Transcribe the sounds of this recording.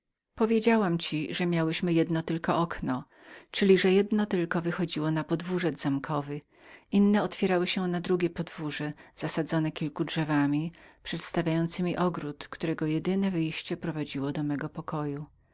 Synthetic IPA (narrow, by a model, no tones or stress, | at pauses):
pɔvʲjed͡ʑawamt͡ɕiʐɛmʲjawɛɕmɘjɛd̪nɔt̪ɘlkɔʔɔknɔ | t͡ʂɘlʲiʐɛjɛd̪nɔt̪ɘlkɔvɘxɔd͡ʑiwɔnapɔd̪vuʐɛd̪zamkʰɔvɘ | inːɛɔt̪fʲjɛɾawɘɕɛnad̪ɾuɡʲjɛpɔd̪vuʐɛz̥asad̪zɔnɛkʲilkudʐɛvamʲipʂɛt̪st̪avʲjajɔnt̪sɘmʲiʔɔɡɾut̪kt̪uɾɛɡɔjɛd̪ɘnɛvɘjɕt͡ɕɛpɾɔvad͡ʑiwɔd̪ɔmɛɡɔpɔkɔju